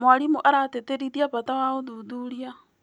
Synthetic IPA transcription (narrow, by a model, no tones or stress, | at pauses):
mwaɾimuʔaɾateteɾiðiaβatawaoðuðuɾia